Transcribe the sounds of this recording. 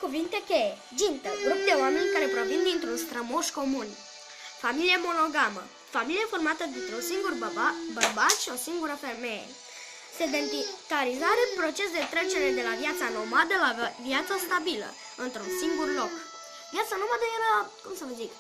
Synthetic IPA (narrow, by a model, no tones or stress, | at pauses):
kuvint̪e̞ke | d͡ʒint̪əɡɾup̚d̪e̞wame̞nʲkaɾe̞pɾo̞vind̪int̪ɾunst̪ɾəmo̞ʃko̞mun | familiemo̞no̞ɡamə | familieformat̪əd̪int̪ɾe̞unsiŋɡurbərbat̪ʃio̞siŋɡuɾəferme̞jḛ | sed̪ent̪it̪aɾizaɾepɾo̞t͡ʃe̞sd̪e̞t̪ɾet͡ʃe̞ɾe̞d̪e̞lavjat̪sano̞mad̪əlaviat̪səst̪abilə̰ | ɨnt̪ɾunsiŋɡurlo̞k | vjat̪sanomad̪əjeɾakumsəvəzik